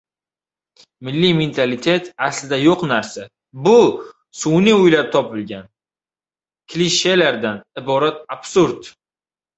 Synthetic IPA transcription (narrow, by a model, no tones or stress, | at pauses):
mɪlːiment̪ʰalɪt̪ʰe̞t̪aslɪd̪ajoqnaɾsa | bʊ | sʊwniʊjlaɾ̚t̪ʰɒpɪlɡʲan | kʲʰliʃelaɾd̪anɪbɒɾat̪̚ab̥suɾd̪